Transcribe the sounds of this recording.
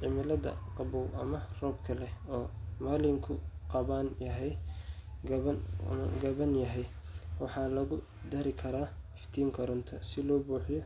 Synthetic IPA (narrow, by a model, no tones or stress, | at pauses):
ʕɪmɪlɐdɐ̰qɑbɔwɐmɐrɔːb̚kʰɐlɛɔːmaːlɪŋkʰʊqɑβaːnjɐɦɛjɡɐɐ̰ɡɐβɐnjɐɦɛj | wɑħɑːlɐɣʊ | d̪ɐɾɪkʰɐɾaːhɪft̪ʰiːŋkʰɐɾʊnt̪ʰɐsɪlɔːbuːħɪjɔ